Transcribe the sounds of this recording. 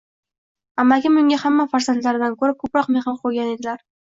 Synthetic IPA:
amːaɡʲɪmɵŋɡʲahamːafaɾzant̪laɾɪd̪ankʰɵɾɪp̚kʰɵpɾɒqmeχɑqʰojɡʲaned̪ɪlaɾ

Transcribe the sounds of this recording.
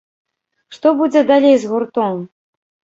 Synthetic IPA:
ʂt̪ɔbud͡zʲɛd̪alʲejzɣurt̪ɔm

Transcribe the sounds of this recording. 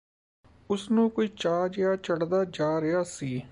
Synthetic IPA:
ʊsnũːkoiːt͡ʃaːd͡ʒjaːt͡ʃəɽd̪aːd͡ʒaːɾɪjaːsiː

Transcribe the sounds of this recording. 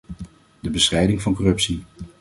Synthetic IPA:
dəbəsrɛjdɪŋvɑnkɔrɵpsi

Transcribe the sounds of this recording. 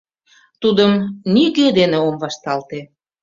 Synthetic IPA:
t̪ud̪əmniked̪eneomβɑʃt̪ɑlt̪e

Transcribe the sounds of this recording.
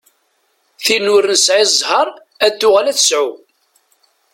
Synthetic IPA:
θinʊɾənsʕizˤhəɾˤ | æd̪ːʊʁælæθəsʕu

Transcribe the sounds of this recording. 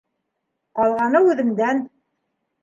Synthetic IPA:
qɑlˠʁɑnɤʉðɘ̆md̪æn

